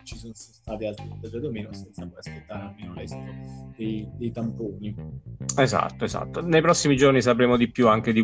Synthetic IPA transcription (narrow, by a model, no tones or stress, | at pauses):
t͡ʃisonsst̪aːt̪ialt̪ɾit̪ːad͡ʒed̪omeːnosɛnt̪sapɔjaspet̪ːaːɾealmeːnolɛzit̪od̪ejd̪ejt̪ampoːnieza̰t̪ːoeza̰t̪ːonejpɾɔsːimid͡ʒornis̬apɾeːmod̪ipjuaŋk̟ed̪i